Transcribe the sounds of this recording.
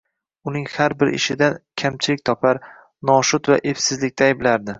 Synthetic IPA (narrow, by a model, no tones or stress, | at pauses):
ʊnɪŋhaɾbɪɾɪ̰ʃɪd̪ankʲʰamt͡ʃʰɪlɪk̚ʲt̪ʰɒpʰaɾ | nɒʃʊt̪va̰ʔe̞fsɪzlɪk̚ʲt̪ʰaːjblaɾd̪ɪ